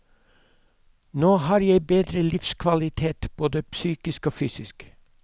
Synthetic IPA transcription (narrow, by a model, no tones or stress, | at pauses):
noːhɑːɾjæɪbeːd̪ɾəlɪfskʰʋɑlɪt̪ʰeːt̪b̥oːd̪əpsyːkɪskoːfyːsɪsk